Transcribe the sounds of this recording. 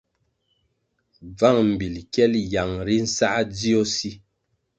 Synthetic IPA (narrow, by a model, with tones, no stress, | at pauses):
b͡va˦˨ŋm̩˨bi˨lkɛ˦lja˨ŋɾi˦n̩˦sa˦ʔd͡zi˦o˦si˦